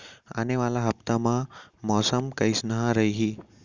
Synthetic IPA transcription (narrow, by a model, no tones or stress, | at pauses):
ə̰neʋalaɦəp̚t̪amãmɔsəmkəjsnəɦãɾəiɦi